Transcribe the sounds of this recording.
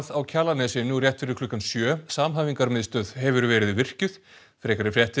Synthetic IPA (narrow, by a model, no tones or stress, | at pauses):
ðawcʰaːlanɛsɪnurjɛht̪fɪɾɪkʰlʏhkːansjœːsaːmɦaːviŋkaɾmɪðst̪œðɦɛvʏɾvɛːɾɪðvɪr̥cʏð̥ | fɾɛːkaɾɪfɾjɛht̪ɪ